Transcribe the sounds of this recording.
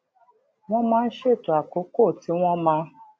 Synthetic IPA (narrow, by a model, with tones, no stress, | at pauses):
w̃ɔ̃˦mãː˦˧n̩˦ʃe˦˨to˨˦a˨ko˨˦ko˦˨ti˨˦w̃ɔ̃˦mã˧˦